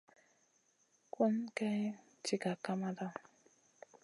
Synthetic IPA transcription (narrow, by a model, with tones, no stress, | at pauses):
ku˦nka˦j | t͡ʃi˨ka˨ka˦ma˦d̪a˦˨